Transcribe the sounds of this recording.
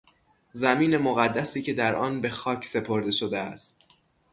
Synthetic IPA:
zæmiːne̞moɣæd̪ːæsiːcʰe̞d̪æɾɒːnbe̞xɒːcʰse̞pʰo̞ɾd̪e̞ʃod̪eæ̰st̪

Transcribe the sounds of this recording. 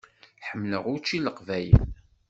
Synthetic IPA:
ħəmːləʁʊɾt͡ʃːiləqvæjə̰n

